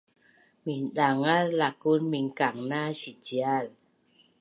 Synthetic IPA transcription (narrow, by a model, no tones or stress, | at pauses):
mindaŋalːakunmiŋkaŋnaɕid͡ʒial